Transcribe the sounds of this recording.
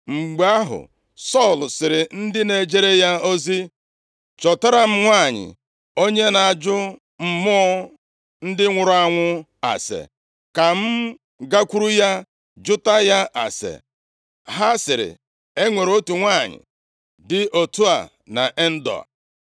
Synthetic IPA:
ŋ͡m̩˨ɡ͡ba˦ɦʊ̰˨ | sɔ˦˨lsɪ˨ɾɪ˨n̩˦dɪ˦ne˨d͡ʒe˦ɾe˦ja˦o˦zi˦ | t͡ʃɔ˨ta˦ɾa˨m̩˦ŋʷa˦˨ɲɪ̰˨ | o˦ɲe˦na˨d͡ʒʊ˦ | m̩˨mɔ˦ɔ˦ | n̩˦dɪ˦ŋʷʊ˨ɾʊ˨˦a˦ŋʷʊ˦ | a̰˨sḛ˨ | ka˨m̩˦ | ɡa˦kʷu˦ɾu˦ja˦ | d͡ʒʊ˦ta˦ja˦ʔa̰˨sḛ˨ | ɦa˦sɪ˨ɾɪ̰˨ | e˦ŋʷe˨ɾo˦tu˨ŋʷa˦˨ɲɪ̰˨ | dɪ˦ʔo˨tu˦a̰˨ | na̰˨ʔe˦n̩˦dɔ̰˨a̰˨

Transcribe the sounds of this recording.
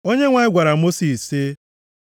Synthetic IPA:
o˦ɲe˦ŋʷa˨ɪ˦ɡʷa˨ɾa˨mo˦si˨se˦

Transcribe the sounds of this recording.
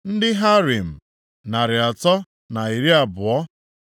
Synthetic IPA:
n̩˦dɪ˦ɦa˦ɾi˨m̩˨ | na˨ɾɪ˨a˨tɔ˦ | na˨i˨ɾi˦a˨bʊ˨ɔ˦

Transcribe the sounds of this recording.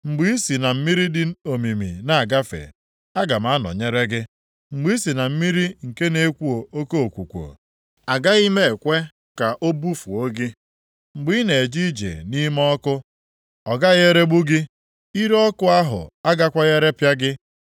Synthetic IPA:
ŋ͡m̩˨ɡ͡bi˦i˦si˨na˨m̩˦mi˦ɾi˦dɪ˨o˨mi˨mḭ˨na˨a˨ɡa˦fḛ˨ | a˦ɡa˨m˦a˦nɔ̰˨ɲe˦ɾe˦ɡɪ˦ | ŋ͡m̩˨ɡ͡bi˦i˦si˨na˨m̩˦mi˦ɾi˦ŋ̩˨ke˦ne˦kʷu˦o˨o˦ko˦o˨kʷu˨kʷo̰˨ | a˨ɡa˦i˦me˦e˨kʷe˦ | ka˨ʔo˦bu˦fu˨o˦ɡɪ˦ | ŋ͡m̩˨ɡ͡bi˦ne˨e˨d͡ʒi˦d͡ʒḛ˨ni˦mɔ˦kʊ˦ | ɔ˨ɡa˦ɣe˦ɾe˦ɡ͡bu˦ɡɪ˦ | i˦ɾɔ˦kʊ˦a˦ɦʊ̰˨a˦ɡa˦kʷa˦ɣe˦ɾe˦pja˦ɡɪ˦

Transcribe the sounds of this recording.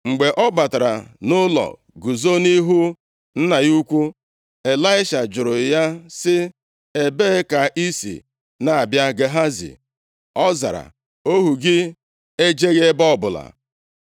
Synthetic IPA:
ŋ͡m̩˨ɡ͡be˨ʔɔ˦ɡ͡ba˨ta˨ɾa̰˨nʊ˦lɔ̰˨ | ɡu˨zo˦ni˦ɦu˦ | n̩˦na˨ju˦kʷu˦ | e˨la˦ɪ˦ʃa˨d͡ʒʊ˨ɾʊ˨ja˦sɪ˦ | e˨beː˦ka˨ʔi˦sḭ˨ | na˨a˨bja˦ɡe˨ɦa˦zḭ˨ | ɔ˦za̰˨ɾa̰˨ | o˦ɦu˨ɡɪ˦ | e˦d͡ʒe˦ɣe˦bɔ˦˨bʊ˨la̰˨

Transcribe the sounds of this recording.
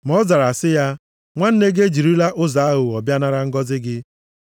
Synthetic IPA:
m˨ɔ˦za˨ɾa˨sɪ˦ja˦ | ŋʷa˦n̩˦ne˦ɡe˦d͡ʒi˨ɾi˦la˦ʔʊ˦za˨a˦ɦʊ˨ɔ˨bja˦na˦ɾa˦ŋ̩˦ɡɔ˦zɪ˦ɡɪ˦

